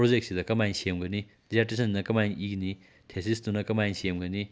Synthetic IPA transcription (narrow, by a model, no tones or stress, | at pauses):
pɾod͡ʒek̚tsidɐkɐmajnsemɡɐni | dizaɾtesɐnnɐkɐmajniɡni | tʰesisdunɐkɐmajnsemɡɐni